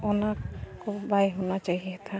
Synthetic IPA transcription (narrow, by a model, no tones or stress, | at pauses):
ɔnakkɔbajɦunat͡ʃaɦiɦɛt̪ʰa